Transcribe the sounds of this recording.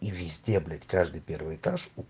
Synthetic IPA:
ivʲɪzʲd̪ʲeblʲɪtʲkaʐd̪ɨjpʲervɨjɨt̪aʂu

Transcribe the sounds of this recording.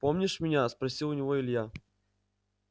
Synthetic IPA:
pomnʲɪʂmʲɪnʲaspɾɐsʲilˠʊnʲɪvɔɪlʲja

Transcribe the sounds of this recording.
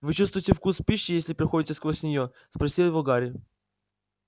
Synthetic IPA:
vɨt͡ɕust̪vʊjtʲɪfkuspʲiɕːɪjesʲlʲɪpɾʲɪxodʲɪtʲɪskvosʲnʲɪjo | spɾɐsʲilˠjɪvoɡaɾʲɪ

